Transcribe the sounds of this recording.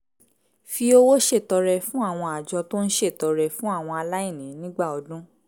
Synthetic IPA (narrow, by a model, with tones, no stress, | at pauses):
fi˧˦o˦wo˦ʃe˦˨tɔ˧ɾɛ˧fũ˦a˦˨w̃ɔ̃˧a˨d͡ʒɔ˧to˦n̩˦ʃe˦˨tɔ˨˧ɾɛ˧fũ˦a˦˨w̃ɔ̃˧a˧la˦i˦˨nĩ˨˦nĩ˦ɡ͡ba˦˨ɔ˨dũ˦